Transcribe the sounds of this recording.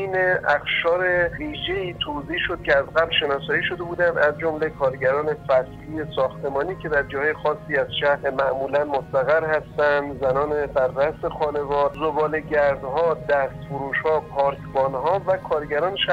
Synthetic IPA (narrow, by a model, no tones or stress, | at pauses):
neæxʃɒːɾeviːʒeiːt̪ʰoziːʃod̪̥̚cʰʲeæzɡæblʃenɒːsɒːjiːʃo̞d̪e̞buːd̪æmæzd͡ʒomle̞kʰɒːɾɟæɾɒːne̞fæsliːesɒːxt̪ʰe̞mɒːniːcʰe̞d̪æɾd͡ʒɒːhɒːjexɒːsːiːæzʃæmæʔmuːlænmost̪æɣæɾhæst̪ænd̪zænɒːnebæɾːæsexɒːne̞vɒːɾzobɒːle̞ɟæɾd̪ɦɒːd̪æst̪foɾuːʃhɒːpʰɒːɾkʰbɒːnɦɒːvækʰɒːɾɟæɾɒːnʃæ